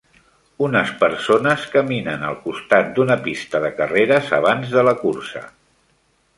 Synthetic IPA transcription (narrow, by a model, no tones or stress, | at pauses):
unəspəɾsonəskəminənəlˠkust̪at̪̚d̪unəpist̪əðəkəreɾəzə̰β̞anzðələkursə̰